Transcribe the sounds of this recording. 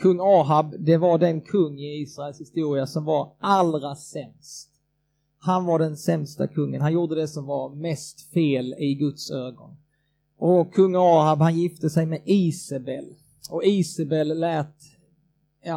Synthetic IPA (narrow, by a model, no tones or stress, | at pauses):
kʰɵŋːɑːɦabd̪ɛvaɖɛnkʰɵŋːɪiːsɾaɛlshɪst̪uːɾɪasɔmvaɾʔalɾasɛmst̪ | hanvaɖɛnsɛmst̪a̰kʰɵŋːənhanjuːɖ̪əd̪ɛsɔmvaɾmɛst̪feːlɪɡɵt̪søːɡɔ̰n | ʔɔkʰɵŋːɑːɦabhanjɪft̪əsɛjmɛʔiːsabɛl | ɔiːsabɛlːɛːt̪ | jɑ